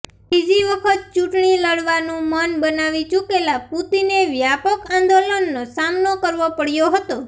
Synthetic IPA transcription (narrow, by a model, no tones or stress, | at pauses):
bid͡ʒiʋəkʰət̪̚t͡ʃuʈɳiləɽʋanũmənbənaʋit͡ʃukelaput̪ineʋjapəkãnd̪olənːosamnokəɾʋopəɽjoɦət̪o